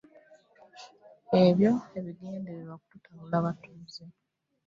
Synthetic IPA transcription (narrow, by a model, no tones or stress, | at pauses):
e̞βjo̞e̞βiɡeːndeβiβakututʰaulaβatuːze